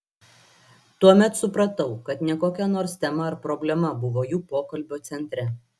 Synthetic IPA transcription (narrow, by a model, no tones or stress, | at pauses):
t̪uɔmʲɛt̪sʊpɾɐt̪ɐʊkɐt̪nʲɛkoːkʲɛnoːɾst̪ʲɛmɐːɾpɾɔbʲlʲɛmɐbʊʋoːjuːpoːkɐlʲbʲoːt̪sʲɛnʲt̪ʲɾʲɛ